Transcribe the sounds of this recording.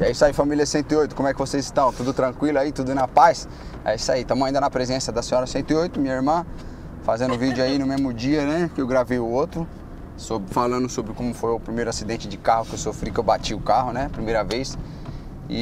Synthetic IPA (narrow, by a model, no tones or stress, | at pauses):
aisaifamiljɐsẽnt̪ʊiojt̪ʊkõmʊɛkɪvosejzɪst̪ɐ̃w̃t̪ud̪ʊt̪ɾɐ̃kwilʊait̪ud̪ʊnɐpajs | a̰isait̪ɐ̃mʊaĩnd̪ɐnɐpɾezẽsɐd̪ɐsẽɲɔɾɐsẽnt̪ʊiojt̪ʊmĩɐiɾmɐ̃ | fazẽnd̪ʊvid͡ʒʊainʊmezmʊd͡ʒiɐnɛkɪewɡɾavejʊot̪ɾʊ | sobɪfalɐ̃nd̪ʊsobɾɪkõmʊfojʊpɾimejɾʊasid̪ẽnt͡ʃɪd͡ʒɪkahʊkɪewsofɾikɪewbat͡ʃiʊkahʊnɛpɾimejɾɐvejs | ɪ̰